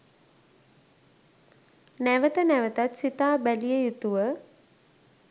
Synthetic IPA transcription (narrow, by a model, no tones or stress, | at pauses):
næʋət̪ənæʋət̪at̪sit̪aːbælijəjut̪uʋə